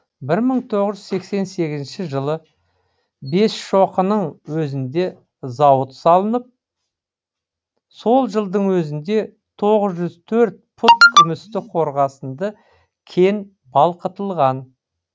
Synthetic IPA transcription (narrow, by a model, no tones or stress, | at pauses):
bɪɾməɴt̪ʰo̞ʁəʒʏzse̞kse̞nse̞ɡʲɪzɪnʃɪʒəlˠə | be̞sʃoqənəɴwɵzɪnd̪e̞ | zɑwət̪sɑlˠənəp̚ | so̞lˠʒəlˠd̪əɴwɵzɪnd̪e̞ | t̪ʰo̞ʁəzʒʏzt̪ʰɵɾt̪̚pʰʊt̪kʲʰʏmɪst̪ɪqʰo̞ɾʁɑsənd̪ə | kʲʰe̞n | bɑlˠqət̪əlˠʁɑn